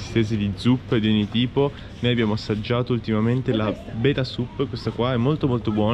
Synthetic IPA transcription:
st̪eːzed̪id̪zupːd̪ioɲːit̪iːpo | nojabjaːmoasːad͡ʒːaːt̪oult̪imament̪ela | beːt̪asupːkwest̪akwaɛmːolt̪omolt̪obwɔː

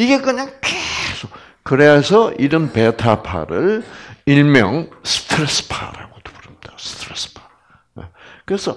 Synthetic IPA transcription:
iɡe̞kɯɲaŋkesʰok̚ | kɯɾeasʰʌʔiɾʌnpetʰapʰa̰ɾɯɭiɭmjʌŋsɯ̥tʰɾesɯ̥pʰa̰ɾa̰ɡoto̥puɾɯmid̥astʰɾespʰḁ | jḛkɯɾe̞sʰʌ

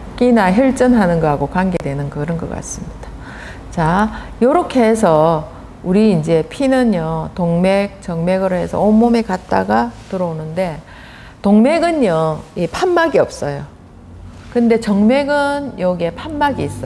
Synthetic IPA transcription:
k͈inaçjʌɭt͡ɕ͈ʌnɦanɯnɡʌɦaɡokwaŋɡe̞dwe̞nɯnkɯɾʌnɡʌk͈a̰s͈ɯmɲid̥a | t͡ɕajoɾokʰe̞sʰʌ | uɾiːnd͡ʑe̞pʰinɯnjʌtoŋme̞k̚t͡ɕʌŋme̞ɡɯɾoɦe̞sʰʌ̰omːomekat̚t͈a̰ɡatɯɾʌonɯnde̞ | toŋme̞ɡɯnjʌipʰanmaɡiʌp̚s͈ʌjo | kɯnde̞t͡ɕʌŋme̞ɡɯnjʌɡie̞pʰanmaɡiːs͈ʌ

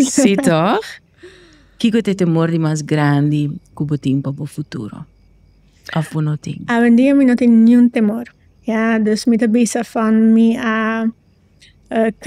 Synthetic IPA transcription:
sit̪ɔx | kikut̪et̪emoɾd̪imas̬ɡɾãnd̪ikubot̪ĩŋpɐbofut̪ṵɾo̰ | afponõt̪ḭ̃ŋawend̪iɐminõt̪inũnt̪emoɾ | jad̪øsmit̪ɐbisɐfanmiɐ | k

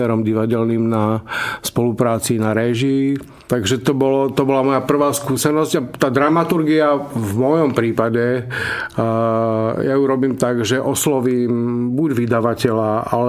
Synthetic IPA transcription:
ɛɾɔmɟiʋaɟɛlnimnaspɔlupɾaːt͡siːnaɾɛʒiː | t̪aɡʒɛt̪ɔbɔlɔt̪ɔbɔlamɔjapr̩ʋaːskuːsɛnɔzɟat̪aːd̪ɾamat̪uɾɡiavmɔjɔmpɾiːpaɟɛ | jajuɾɔbiːmt̪aɡʒɛʔɔslɔʋiːmbuɟʋid̪aʋacɛlaa̰lɛ

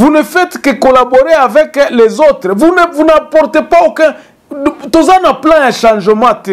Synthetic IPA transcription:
vunefɛt̪kekolaboʁeavɛklezot̪ʁɛvunvunãpɔʁt̪epaokɛ̃ | t̪ozanaplɛ̃jaʃɑ̃ʒəmãt̪e

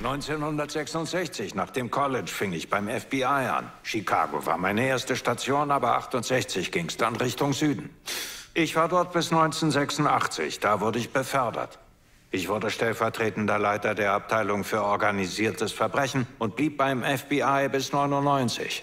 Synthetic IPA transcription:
nɔʏnt͡seːnhʊndɐtz̥ɛksʊntz̥ɛçt͡sɪçnaːχd̥eːmkʰɔlɪt͡ʃfɪŋɪçb̥aɪmɛfb̥iaɪʔa̰nʃikʰa̰ːɡo̰va̰ːɐmaɪnəeːɐstəʃtat͡sjoːnaːbɐʔa̰χtʊntz̥ɛçt͡sɪçɡ̥ɪŋəsd̥anʁɪçtʊŋzyːdn̩ʔɪçv̥aːɐdɔɐt̚b̥ɪsnɔʏnt͡seːnzɛksʊntʔaχt͡sɪ̰çd̥aːvʊɐdəɪçb̥əfœɐdɐ̰t | ʔɪçv̥ʊɐdəʃtɛlfɛɐtʁ̥eːtn̩dɐlaɪtɐdeːɐap̚tʰaɪlʊŋfyːɐɔɐɡaniziːɐtəsfɛɐbʁɛçn̩ʊnt̚b̥liːp̚b̥aɪmɛfb̥iʔaɪbɪsnɔʏnʊntnɔʏnt͡sɪ̰ç

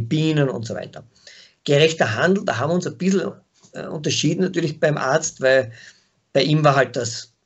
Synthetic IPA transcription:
b̥iːnənʊ̰ntsov̰ɪtɐ | ɡ̥əʁɛçtɐɦãndˡl̩da̰ɦaːmvʲɪʊnsɛb̥ɪsl̩ | ʔʊ̰nt̬ɐʃiːdn̩natyːɐlɪçb̥æɪmʔa̰ɐt͡stvæɪl | b̥aɪʔiːmvaːɐɦalt̚d̥as

